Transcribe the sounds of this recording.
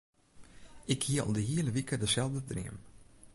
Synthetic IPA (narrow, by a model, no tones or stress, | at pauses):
ʔɪkhiəɔ̰lˠdəɦiəlˠəʋikədəsɛlˠvdədrɪ̰əm